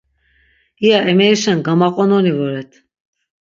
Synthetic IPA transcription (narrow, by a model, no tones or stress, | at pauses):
ijaʔɛmɛiʃanɡamaqʼɔnɔlivɔɾɛt̪ʰ